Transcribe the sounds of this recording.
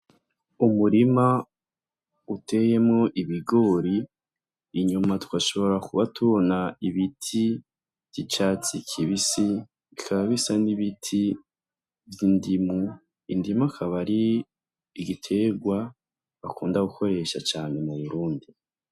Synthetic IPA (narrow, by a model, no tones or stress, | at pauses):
umuɾima | utʰe̞je̞mŋo̞ʔiβiɡo̞ːɾiː | ɲumatu̥waʃo̞βo̞ɾakuβatuβo̞naiβitʰi | v̥it͡ʃaːt͡sikʰiβisi | ikʰaβaβisaniβitʰi | vjindimu | indimuakʰaβaɾiː | ɡitʰe̞ɡwa | βakuːndaɡukʰo̞ɾe̞ːʃat͡ʃaːne̞muβuɾuːndi